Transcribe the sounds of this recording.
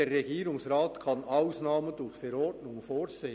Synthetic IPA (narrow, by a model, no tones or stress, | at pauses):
erːɛɡiːɾʊŋsrɑːtkʰɑnʔaʊsnɑːmədʊɾxfɛɾɔɾdnʊŋfoːɾseː